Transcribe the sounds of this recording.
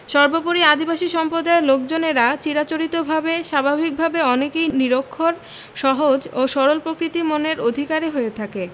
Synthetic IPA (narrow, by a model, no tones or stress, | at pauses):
ʃɔɾbopoɾiad̪ibaʃiʃɔmpɾod̪aelok̚d͡ʑoneɾat͡ɕiɾat͡ɕoɾit̪obʱabeʃabʱabʱik̚bʱabeɔnekejniɾokʰːoɾ | ʃɔɦod͡ʑoʃɔɾolpɾokɾit̪imoneɾod̪ʱikaɾeɦoet̪ʰake